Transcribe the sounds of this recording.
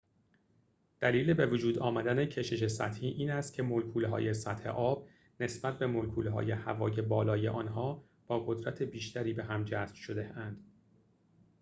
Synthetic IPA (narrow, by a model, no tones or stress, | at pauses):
d̪̥æliːle̞be̞vod͡ʒuːd̪ɒːmæd̪ænecʰe̞ʃe̞ʃe̞sæt̪hiːʔiːnæst̪̚kcʰe̞molkʰuːlɦɒ̰ːje̞sæt̪he̞̰ʔɒːb̥̚ | ne̞sb̥æt̪ʰbe̞molkʰuːlɦɒ̰ːje̞hævɒ̰ːje̞bɒːlɒːje̞̰ʔɒːnɦɒː | b̥ɒːɣod̪ɾæt̪ʰe̞biːʃt̪æɾiːbe̞ɦæmd͡ʒæsb̥ʃo̞d̪e̞ænd̪̥